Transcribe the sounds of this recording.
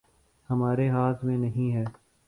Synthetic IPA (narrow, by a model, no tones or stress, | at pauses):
hɐmaːɾeɦaːt̪ʰmẽnɐɦĩɦɛː